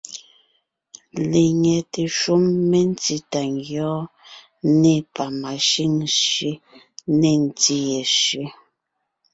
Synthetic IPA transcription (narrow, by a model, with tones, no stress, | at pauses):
le˨ŋɛ˨te˨ʃu˦mːe˦n˦ti˦ta˨ŋɡjɔː˦ | ne˦˨pa˨ma˨ʃi˦ŋʃe˦ | ne˦˨n̩˨ti˦jɛ˨ʃe˦